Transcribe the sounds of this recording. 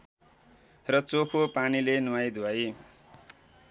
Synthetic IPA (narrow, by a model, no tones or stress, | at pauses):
rʌt͡sokʰopanilenuwajd̪ʱuwaj